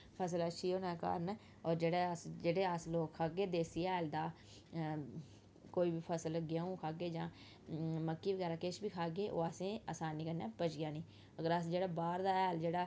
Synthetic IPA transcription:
pʰəs̬ələʃʰiːoːnɛːkə̰ɾn | ɔːɾd͡ʒeːɽaːəsd͡ʒeːɽeːəsloːkkʰaːɡeːd̪eːsiːɛːld̪aː | koːiːbiːpʰəsəlɡɪjaːũːkʰaːɡeːd͡ʒãː | məkːiːʋəɡɛːɾaːkɪʃbiːkʰaːɡeːʔo̰ːəsẽːa̰ːsaːniːkəɾnɛːpət͡ʃɡɪjãːniː | əɡəɾəsd͡ʒeːɽaːbaːɾd̪aːɛːld͡ʒeːɽaː

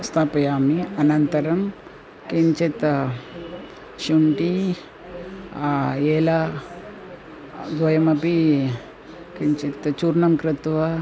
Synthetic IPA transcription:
st̪ʰapɐjaːmiɐnɐnt̪ɐɾɐm | kiɲt͡ʃit̪ | ɕuɳʈi | jeːla | d̪ʋɐjɐmɐpi | kiɲt͡ʃit̪t͡ʃuɾnɐmkɾɪt̪ʋɐ

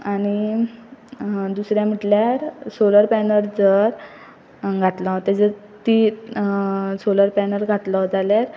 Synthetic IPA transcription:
ani | d̪usɾjãm̤əʈljaɾsoləɾpɛnəɾd͡zəɾ | ɡʱat̪lat̪ed͡zəɾ | t̪i | soləɾpɛnəɾɡʱat̪ləd͡zaljaɾ

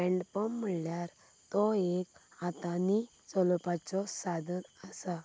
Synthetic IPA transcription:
pɛ̃ɳɖpɔmməɭljaɾ | t̪ɔekat̪ani | t͡sɔlɔpat͡sɔsad̪ʱənəsa

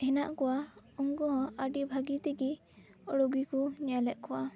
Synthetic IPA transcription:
hɛnaʔkɔwauŋɡɔɦɔ̃əɖibʱaɡit̪ɛɡi | ɔɽɔɡikuɲalɛʔkɔwa

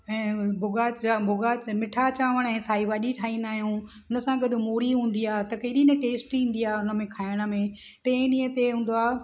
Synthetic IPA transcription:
ɛ̃ːbʱʊɡaːt͡ɕabʱʊɡaːt͡ɕmɪʈʰat͡ɕaːʋəɽ̃ɛ̃ːsaːiʋaːɗiʈʰaːĩnaːɦijũɦʊnə̆sãɡɐɗ̆moːɽiɦũːn̆d̪iaːɦt̪ɐkɐiɗiːnəʈeːsʈĩn̆d̪ijaːɦʊnə̆mẽkʰaːɪɽ̃ə̆mẽ | ʈẽːnĩːət̪eɦũːn̆d̪oaː

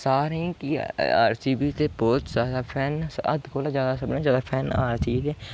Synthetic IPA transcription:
saːɾẽːkia̰ːɾsiːbiːt̪eːbɔːt̪zaːd̪aːpʰɛːnə̰d̪koːlazjaːd̪aːsəbnẽːzjaːd̪aːpʰɛːna̰ːɾsiːt̪eː

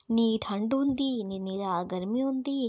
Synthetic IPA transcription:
niːʈʰɐɳɖund̪ininiːɾaɡɐɾmiund̪i

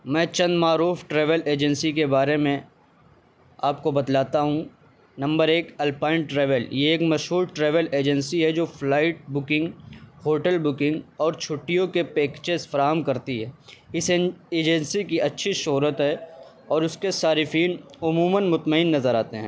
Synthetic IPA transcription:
mɛ̃ːt͡ʃɐ̃nd̪maːɾuːfʈɾeːʋəleːd͡ʒənsikebaːɾemẽ | aːp̚kobɐd̪laːt̪aɦũ | nɐ̃mbəɾeːkɐlpaːɪ̃ɳʈːɾɛːʋəljeeːkmɐʃɦuːɾʈɾeːʋəleːd͡ʒənsiɦɛd͡ʒoːflaːɪʈ̚bʊkɪ̃ŋɡhoːʈəlbʊkɪ̃ŋɡɔːɾt͡ʃʰʊʈːijõkepeːkt͡ʃesfɐɾaːɦəmkɐɾt̪iɦɛːɪseːd͡ʒə̃nsikiʔɐtːʃʰiʃʊːɾət̪ɦɛ | ɔːɾʊskesaːɾɪfiːnʊmuːmənmʊt̪məɪnːɐzəɾaːt̪eɦɛ̃ː

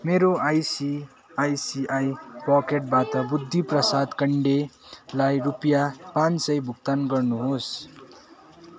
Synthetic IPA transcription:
meɾoajsi | ajsiʔajpʌkeʈ̚bat̪ʌbud̪ʱːiprʌsad̪kʌɳɖelajrupjapãnsʌjbʱukt̪anɡʌrnuɦos

